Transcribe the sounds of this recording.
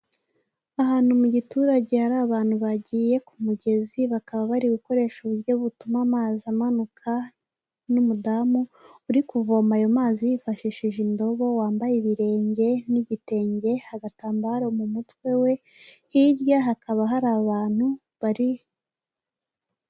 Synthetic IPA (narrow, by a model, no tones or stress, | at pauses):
aɦaːn̥humuɟituːɾaɟe̞haɾaːβaːn̥huβaɟiːje̞kumuɟe̞ziβakaβaβaɾiβiko̞ɾe̞ːʃuβuɾjo̞βutumamaːzamanukʰa | numudamuːɾikuvo̞ːmajo̞maːzijifaʃiʃiʒindo̞βo̞waːmbajeβiɾe̞ːɲɟe̞niɟite̞ːɲɟe̞haɡataːmbaɾomumutwe̞we̞ | hiɾjaɦakaβaɦaɾaːβaːn̥hu | βaɾije